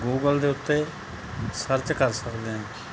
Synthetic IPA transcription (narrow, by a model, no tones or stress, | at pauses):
ɡuːɡəld̪eːʊt̪ːeː | səɾt͡ʃkəɾsəkd̪eːɦɛ̃ː